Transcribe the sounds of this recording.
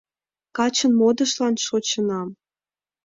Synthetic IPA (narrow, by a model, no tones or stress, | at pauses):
kɑt͡ɕə̆nmod̪ə̆ʃlɑnʃot͡ɕənɑm